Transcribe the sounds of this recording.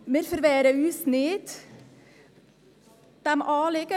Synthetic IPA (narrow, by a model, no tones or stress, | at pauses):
meɾfəɾʋeːɾəʉːsnɪt̪ | d̪̥ɛmʔɑːlɪɡə